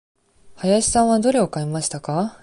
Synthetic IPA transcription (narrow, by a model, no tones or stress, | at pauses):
hajaɕi̥sãɰ̃βad̪o̞ɾe̞o̞kaemaɕi̥t̪aka